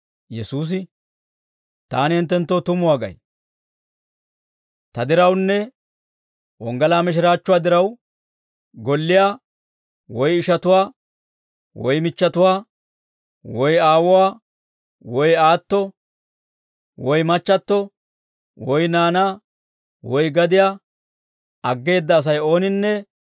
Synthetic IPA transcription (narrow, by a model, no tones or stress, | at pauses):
jɛsuːs̬ɪ | t̪a̰ːnɪɪnt̪ːɛnt̪ːot̪ʊmʊwaːɡɐ̰j | t̪ɐd̪ɪɾɐwnːɛ | wɔŋɡɐlaːmɪʃ̬ɪɾaːt͡ʃːʊwaːd̪ɪɾɐw | ɡɔlːɪjaː | wɔjɪʃɐt̪ʊwaː | wɔjmɪt͡ʃːɐt̪ʊwaː | wɔjaːwʊwaː | wɔjaːt̪ːɔ | wɔjmɐt͡ʃːɐt̪ːɔ | wɔjnaːnaː | wɔjɡɐd̪ɪjaː | ɐɡːe̞ːd̪ːɐːs̬ɐjo̞ːnɪnːɛ